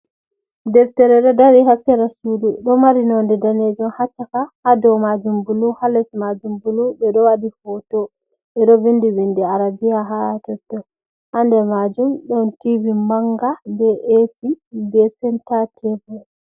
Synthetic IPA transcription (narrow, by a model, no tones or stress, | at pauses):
dɛftɛɾɛɗɔdaɾiɦasɛɾasuduɗɔmaɾinɔndɛdaned͡ʒɔmhat͡ʃːakahadɔmad͡ʒumbuluhalɛsmad͡ʒumbulubɛɗɔwadifɔtɔ | ɓɛɗɔvindiwindiaɾabijaɦaatɔtːɔ | handɛmad͡ʒumɗɔntiwimaŋɡabɛʔesibɛsɛntatʰɛvɛ